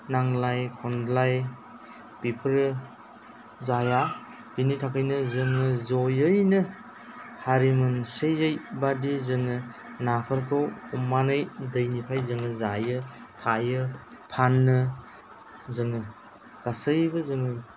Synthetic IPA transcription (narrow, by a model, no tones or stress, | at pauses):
naŋlajkʰɔndlaj | pipʰɾ | zaja | binitʰakʰajnɯzɯŋɯzojɯjnɯ | haɾimɯnsɯjɯjbadizɯŋɯ | napʰaɾkʰɯwumanɯjdɯjnipʰajzɯŋɯzajɯtʰajɯ | pʰanːɯ | zɯŋɯ | kasɯjbɯzɯŋɯ